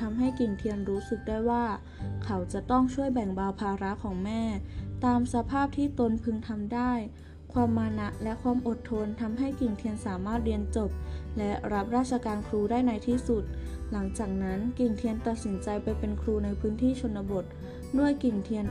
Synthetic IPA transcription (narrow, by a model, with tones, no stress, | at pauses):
t̪ʰa˧mɦa˥˩jki˨˩ŋt̪ʰi˧ənɾuː˦˥sɯ˨˩k̚daː˥˩jwaː˥˩ | kʰa˩˦˥wt͡ɕa˨˩t̪ɔ˥˩ŋt͡ɕʰu˥˩əjbɛ˨˩ŋbaː˧wpʰaː˧ɾa˦˥kʰɔː˩˦ŋmɛː˥˩t̪aː˧msa˧pʰaː˥˩p̚t̪ʰiː˥˩t̪o˧npʰɯ˧ŋt̪ʰa˧mdaː˥˩j | kʰwaː˧mːaː˧na˦˥ʔlɛ˦˥ʔkʰwaː˧mʔo˨˩t̪ʰːo˧nt̪ʰa˧mɦa˥˩jki˨˩ŋt̪ʰi˧ənsaː˩˦maː˥˩t̪̚ɾi˧ənt͡ɕo˨˩p̚lɛ˦˥ʔɾa˦˥p̚ɾaː˥˩t̪̚t͡ɕʰa˧kaː˧nkʰɾuː˧daː˥˩jna˧jt̪ʰiː˥˩su˨˩t̪̚la˩˦ŋt͡ɕaː˨˩k̚na˦˥nki˨˩ŋt̪ʰi˧ənt̪a˨˩t̪̚si˩˦nt͡ɕa˧jpa˧jpe˧nkʰɾuː˧na˧jpʰɯː˦˥nt̪ʰiː˥˩t͡ɕʰo˧nːa˧bo˨˩t̪̚ | du˥˩əjki˨˩ŋt̪ʰi˧ən